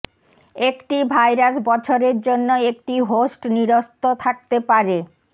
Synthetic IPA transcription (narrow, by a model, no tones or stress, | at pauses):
ekʈibʱajɾasbɔt͡ɕʰoɾeɾd͡ʑonːoek̚ʈiɦosʈniɾost̪ot̪ʰak̚t̪epaɾe